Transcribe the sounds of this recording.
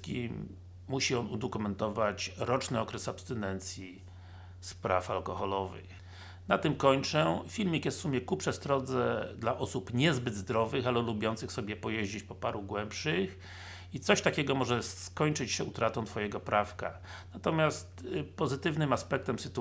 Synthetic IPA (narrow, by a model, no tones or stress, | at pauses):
kʲimː | uɕiɔnud̪ɔkumɛnt̪ɔvat͡ɕɾɔt͡ʂnɘɔkɾɛsapst̪ɛnɛnt̪sʲji | spɾa̰fa̰lkɔxɔlɔvɘ̰x | nat̪ɘmkɔɲt͡ʂɛfʲilmʲikjɛst̪fsumʲjɛkupʂɛst̪ɾɔd̪zɛd̪laʔɔsupɲɛzbɘd̪zd̪ɾɔvɘxalɛlubʲjɔnt̪sɘxsɔbʲjɛpɔjeʑd͡ʑit͡ɕpɔpaɾuɡwɛmpʂɘx | it̪sɔɕt̪akʲɛɡɔmɔʐɛskɔɲt͡ʂɘt͡ɕɕɛut̪ɾat̪ɔ̃w̃t̪fɔjɛɡɔpɾʔafka̰ | nat̪ɔmʲjast̪pɔzɘt̪ɘvnɘmaspɛk̚t̪ɛmsɘt̪u